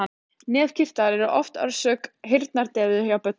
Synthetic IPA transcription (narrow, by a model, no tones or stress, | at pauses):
nɛːfcʰɪft̪aɾɛɾʏʔɔ̰ft̪œ̰ɾsœːkɦɪɾt̪naɾt̪ɛːðʏhjawpœt̪